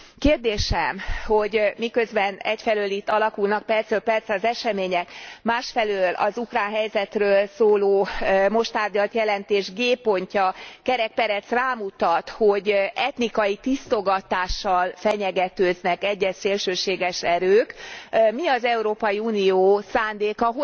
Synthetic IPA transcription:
keːrd̪eːʃɛmho̞ɟmikø̞zbɛnɛcfɛløːlit̪ːɒlɒkulnɒk̚pɛrt̪sølpɛrt̪sɒzɛʃɛmeːɲɛkmaːʃfɛløːlɒ̰zukraːnɦɛjzɛt̪røːlsoːloːmo̞ʃt̪aːrɟɒlt̪jɛlɛnt̪eːʒɡeːpo̞ɲcɒkɛɾɛk̚pɛɾɛt̪sraːmut̪ɒt̪ho̞ɟɛt̪nikɒjit̪ist̪o̞ɡɒt̪aːʃːɒlfɛɲɛɡɛt̪øːznɛkɛɟːɛseːlʃøːʃeːɡɛʃɛɾøːkmiɒzɛuɾoːpɒjiunijoːsaːnd̪eːkɒɦo

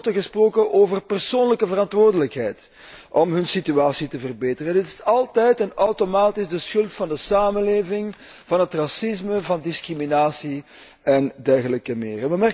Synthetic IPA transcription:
təɣəsproːkəʔoːvərpɛrsoːnləkəvərɑntʋʊːrdələkɦɛjt | ʔɔmɦɵnsityaːsitəvərbeːtərənɪtɪ̥sɑlˠtɛjtɛnœwtomaːtɪzdəsxɵlˠtfɑndəsaːmənleːvɪŋv̥ɑnɦətrɑsɪzməvɑndɪskriminaːsi | ɛndɛrɣələkəmɪ̰ːrəʋəmɛ

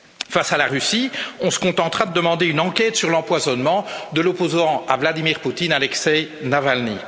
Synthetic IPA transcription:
fasalaʁysiɔ̃sə̥kɔ̃t̪ɑ̃t̪χad̪əd̪əmɑ̃d̪eynɑ̃kʲɛt̪syʁlɑ̃pwazɔnmɑ̃d̪əlɔpozɑ̃avlad̪imiʁput̪inalɛksɛjnavalnḭ

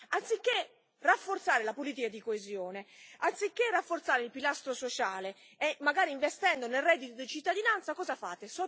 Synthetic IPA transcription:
ant̪sikːe | rafːort̪saːɾelapoliːt̪̬ikad̪ikoezjoːneant̪sikːerːafːort̪saːɾɪilpilast̪ɾosot͡ʃaːle | ɛmːaɡaːɾiiɱvest̪ɛnd̪onelrɛd̪it̪od̪it͡ʃit̪ːad̪inant̪sakɔːzafa̰ːt̪esɔ

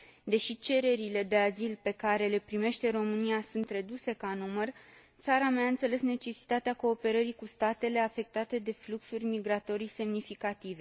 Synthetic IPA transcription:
d̪e̞ʃit͡ʃe̞ɾe̞ɾile̞d̪e̞azilpe̞kaɾe̞le̞pɾime̞ʃt̪e̞ɾo̞mɨniasunt̪re̞d̪use̞kanumər | t̪saɾameaɨnt̪se̞le̞sne̞t͡ʃe̞si̥t̪at̪eako̞ːpe̞ɾəɾikust̪at̪e̞le̞afe̞k̚t̪at̪e̞d̪e̞fluksurʲmiɡɾat̪o̞ɾise̞mnifikat̪ive̞

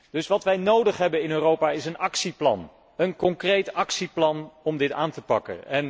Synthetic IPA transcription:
d̥ɵsʋɑtʋɛjnowdəχɦɛbənɪnøːrowpaːɪsənɑksiplɑ̰n | ənkɔŋkrejtɑksiplɑnɔmdɪtaːntəpɑkə̰nɛn

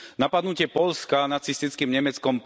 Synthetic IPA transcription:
napad̪nucɪɛpɔʎskanat͡sist̪it͡skiːmɲɛmɛt͡skɔmp

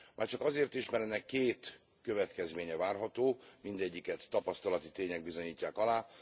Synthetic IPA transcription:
mʔaːrt͡ʃɒkɒzeːrt̪iʃmɛɾɛnɛkːeːt̪ | kø̞vɛt̪kɛzmeːɲɛvaːrɦɒt̪oːmind̪ɛɟːikɛt̪ːɒpɒst̪ɒlɒt̪it̪eːɲɛɡ̚bizo̞ɲiːcːaːkɒlaː

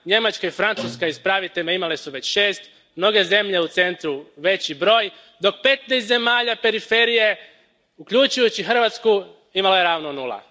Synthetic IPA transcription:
ɲe̞mat͡ʃkaifɾant̪suskaispɾaʋit̪eʎʲmaimale̞suʋe̞t͡ɕʃe̞ːst̪ | mno̞ɡe̞ze̞mʎe̞ut̪se̞nt̪ɾuʋe̞t͡ɕibɾo̞ːj | d̪o̞k̚pe̞t̪nejst̪ze̞maːʎape̞ɾife̞ɾije̞ | ukʎut͡ʃujut͡ɕixr̩ʋat̪sku | imalajeɾaːʋnonulˠa̰

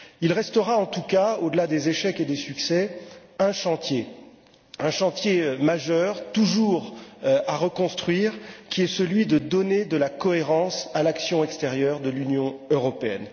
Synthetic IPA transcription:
ilʁɛst̪əʁaɑ̃t̪ukaod̪əlad̪ezeʃɛked̪esyksɛɛ̃ʃɑ̃t̪je | ɛ̃ʃɑ̃t̪jemaʒœʁt̪uʒuʁaʁəkɔ̃st̪χɥiːʁkʲiɛsəlɥid̪əd̪ɔned̪əlakɔeʁɑ̃salaksjɔ̃ɛkst̪eʁjœʁd̪əlynjɔ̃øʁɔpeɛ̰n

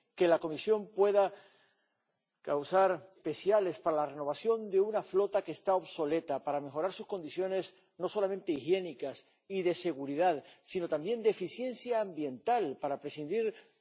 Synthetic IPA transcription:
ke̞lako̞misjo̞mpwe̞ða | kawsaɾpe̞sjale̞spaɾalare̞no̞β̞aθjo̞nd̪e̞unaflo̞t̪akeːst̪ao̞βso̞le̞t̪apaɾame̞xo̞ɾaɾsusko̞nd̪iθjo̞ne̞s | no̞so̞lamẽnt̪e̞ixje̞nikas | iðe̞se̞ɣ̞uɾiðaðsino̞t̪ambje̞nd̪efiθje̞nθjaːmbje̞nt̪alpaɾapɾe̞sind̪iɾ

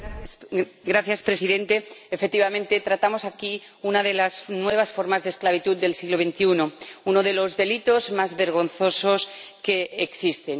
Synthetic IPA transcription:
ɡɾaθjaspɾe̞siðẽ̞nt̪e̞ːfek̚t̪iβamẽnt̪e̞t̪ɾat̪amo̞saki | unaðe̞lasnwe̞β̞asfo̞ɾmazðesklaβit̪ut̪̚d̪e̞lsiɣlo̞βẽ̞nt̪iunouno̞ðe̞lozðe̞lit̪o̞zmazβe̞ɾɣ̞o̞nθo̞so̞ske̞ːksist̪e̞n

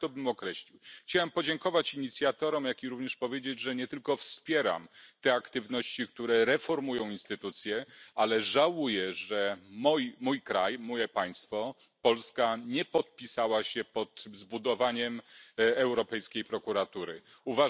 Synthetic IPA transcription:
t̪ɔbɘmɔkɾɛɕlʲiwxt͡ɕawɛmpɔd͡ʑeŋkɔvat͡ɕiɲit̪sʲjat̪ɔɾɔmjakʲiɾuvɲɛʂpɔvʲjed͡ʑed͡ʑʐɛɲɛt̪ɘlkɔfspʲjɛɾa̰mt̪ɛakt̪ɘvnɔɕt͡ɕikt̪uɾɛɾɛfɔɾmujɔ̃w̃inst̪ɘt̪ut̪sʲjɛalɛʐawujɛʐɛmɔjmujkɾajmɔjɛpaj̃st̪fɔ | pɔlskaɲɛpɔt̪̚pʲisawaɕɛpɔt̪zbud̪ɔvaɲɛmɛwɾɔpɛjskʲejpɾɔkuɾat̪uɾɘ̰ | uva

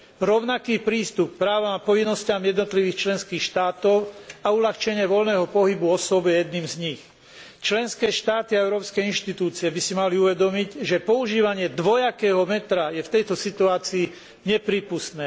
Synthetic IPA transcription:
ɾɔʊnakiːpɾiːst̪up̚k̚pɾaːʋamapɔʋinːɔscamjɛd̪nɔt̪liʋiːxt͡ʃlɛnskiːxʃt̪aːt̪ɔʊaulaxt͡ʃɛɲɪɛʋɔlnɛːɦɔpɔɦibuɔsɔbjɛjɛd̪niːmzɲix | t͡ʃlɛnskɛːʃt̪aːt̪iaɛʊɾɔːpskɛinʃt̪it̪uːt͡siɛbisimaliuʋɛd̪ɔmiɟʒɛpɔuʒiːʋaɲɪɛd̪ʋɔjakɛːɦɔmɛt̪ɾajɛft̪ɛjt̪ɔsit̪uaːt͡siː | ɲɛpɾiːpust̪nɛː

